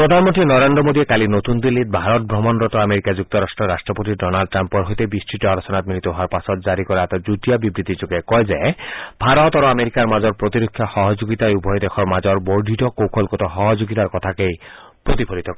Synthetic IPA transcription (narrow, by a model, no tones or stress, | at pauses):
pɾod̪ʱanmɔnt̪ɾinɔɾend̪ɾɔmod̪iekalinot̪und̪ilːit̪̚bʱaɾɔt̪̚bʱɾɔmɔnɾɔt̪ɔameɾikad͡ʒuk̚t̪ɔɾasʈɹɔɾasʈɹɔpot̪iɖɔnalɖ̚ʈɾampɔɹɦojt̪ebisʈɹiʈɔalusɔnat̪milit̪ɔɦɔaɾpasɔt̪̚zaɾikɔɾaɛt̪ad͡ʒut̪ijabibɾit̪it͡ʃukekɔjzebʱaɾɔt̪aɾuameɾikaɹmazɔɹpɾot̪iɾokʰːjaxɔɦɔd͡ʑoɡit̪ajubʱɔjd̪exʰɔɹmazɔɾboɹd̪ʱitɔkowkʰɔlkɔt̪ɔxɔɦɔd͡ʒoɡit̪aɾkɔt̪ʰakej | pɹot̪ipʰolit̪ɔkɔ